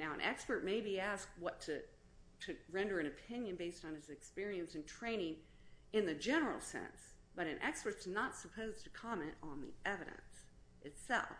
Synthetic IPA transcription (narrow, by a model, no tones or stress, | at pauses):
naʊə̃nʔɛ̰kspə˞t̚meɪbiæsk̚wʌtʰɨ | ɾɨɹɛ̃ndə˞ɨ̃ñɨpʰɪ̃njɨ̃nbeɪstn̩ɨzɨkspɪɹiɨ̃nsɨ̃ntʰɹ̥ẽɪ̃ñɪ̃ŋ | ɨ̃nðɨd͡ʒɛnə˞l̩ˠsɛ̰̃ns | b̥ʌɾɨ̃nʔɛ̰kspə˞tsnətsəpʰoʊztʰɨkʰɑmɛ̃ntn̩ðḭʔɛvɨɾɨ̰̃nsʔɨtsɛ̰lˠf